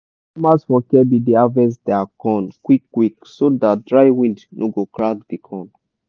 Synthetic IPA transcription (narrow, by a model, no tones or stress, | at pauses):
masfɔkɛbideavɛsdɛakɔ̃nkwikːwiksodatdɹaɪwĩndnʔoɡokɹakdikʰɔ̃n